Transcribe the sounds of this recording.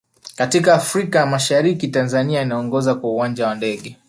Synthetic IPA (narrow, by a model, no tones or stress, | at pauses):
katikaːfɾikamaʃaɾikitanzaniainaɔŋɡɔzakwauwand͡ʒawandɛɠɛ